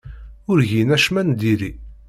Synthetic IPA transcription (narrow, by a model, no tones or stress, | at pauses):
ʊɾʝinæʃmænd̪iɾi